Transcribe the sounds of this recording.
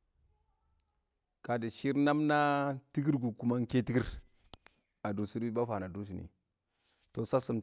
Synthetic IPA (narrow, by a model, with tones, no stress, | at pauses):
ka˨di˨ʃi˦ɾna˦mna˦ti˦ɡi˦ɾɡu˨ku˦ma˦ŋke˦ti˦ɡi˦ɾ | a˨du˨si˦ɾi˦ba˦fa˨na˨du˦s̬i˨nḭ˨ | to˨sa˦su˦m